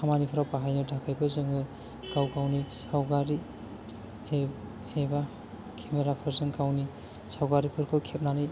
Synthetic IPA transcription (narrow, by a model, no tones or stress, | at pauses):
amanipʰɯɾawpaɦajnɯdʱakʰajbʰɯzɯŋɯ | kawkawnisawɡaɾi | e | eba | kʰemeɾapʰɯɾzɯŋkawni | sawɡaɾipʰɯɾkʰɯkʰep̚nanɯj